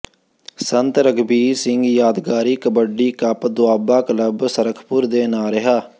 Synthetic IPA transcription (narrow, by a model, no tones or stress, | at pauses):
sənt̪ɾəɡbiːsɪŋɡjaːd̪ɡaːɾiːkəbəɖːiːkəpd̪ʊaːbaːkələbsəɾəkʰpʊɾd̪eːnaːɾɪɦaː